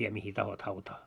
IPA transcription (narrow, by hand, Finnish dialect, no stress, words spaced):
ʋie mihi tɑhot hɑutɑː